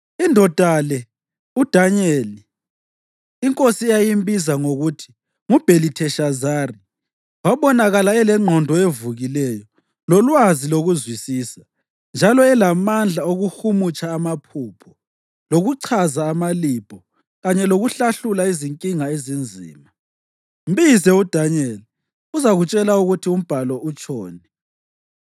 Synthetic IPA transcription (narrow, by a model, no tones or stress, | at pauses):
indʱɔd̥ʱalɛ | ud̥ʱaɲɛli | ŋkʼosiɛjajimbʱizaŋoɣutʰi̥ | ŋub̥ʱelitʰɛʃazari | waβɔnaɣalaɛlɛŋ͡ǁʱɔndʱɔevuɣilɛjɔ | lɔlwaziloɣuzwisiːsḁ | nd͡ʒʱalɔɛlamand͡ɮʱaoɣuxumut͡ʃʼaːmapʰuːpʰɔ | loɣuǀʰazaːmalipʰʼɔ | ɣaɲɛloɣuɬaɬulaiziŋkʼiŋaezind͡zʱḭːma | mbizɛud̥ʱaɲɛl | uzaɣut͡ʃʼɛlauɣutʰium̩b̥ʱalɔʔut͡ʃʼɔːnɛ